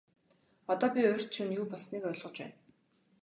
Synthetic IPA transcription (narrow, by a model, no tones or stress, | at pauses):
ɔt̪ɔːpʲiʊːr̥ʲt̪t͡ɕʰŭnjuːpɔɮsniːkœɮʁɞ̆t͡ɕpæ̰ːn